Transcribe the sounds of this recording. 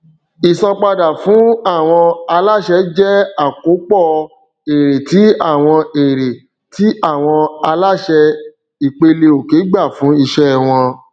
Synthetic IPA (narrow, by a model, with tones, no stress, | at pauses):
i˨sã˧k͡pa˧da˨fũ˨˦a˦˨w̃ɔ̃˧a˧la˦˨ʃɛ˧˦d͡ʒɛ˦a˦˨ko˨˦k͡pɔ˦˨ | e˨ɾe˨ti˨˦a˦˨w̃ɔ̃˧e˨ɾe˨ | ti˨˦a˦˨w̃ɔ̃˧a˧la˦˨ʃɛ˧ | i˨k͡pe˧le˧o˨ke˨˦ɡ͡ba˦˨fũ˨˦i˧ʃɛ˦˨w̃ɔ̃˧